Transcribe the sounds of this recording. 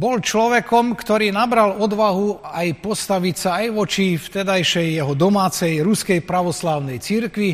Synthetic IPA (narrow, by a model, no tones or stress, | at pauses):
bɔlt͡ʃlɔʋɛkɔmkt̪ɔɾiːnabɾalɔd̪ʋaɦuajpɔst̪aʋicsaːjʋɔt͡ʃift̪ɛd̪ajʃɛjːɛɦɔd̪ɔmaːt͡sɛjɾuskɛjpɾaʋɔslaːʊnɛjt͡siɾkʋi